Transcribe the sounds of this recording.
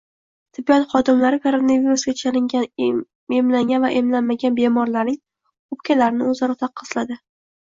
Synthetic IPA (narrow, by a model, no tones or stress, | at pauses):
t̪ʰɪbːijɒnχɒd̪ɪmlaɾɪkʰoɾonaviɾusɡʲat͡ʃʰalɪŋʲa | emlaŋɡʲanvaʔemlanmaɡʲanbe̞mɒɾlaɾnɪŋ | qʊpkʲʰalaɾɪnɪɵzaɾɒt̪ʰɑqʰːɨslad̪ɪ